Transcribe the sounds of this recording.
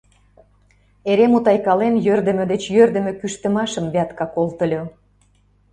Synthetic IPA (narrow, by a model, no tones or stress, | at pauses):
eɾemut̪ɑjkɑlenjørd̪ə̆mə̆d̪et͡ɕjørd̪ə̆mĕkyʃt̪ə̆mɑʃə̆mβeɑt̪kɑkolt̪ə̆lʲo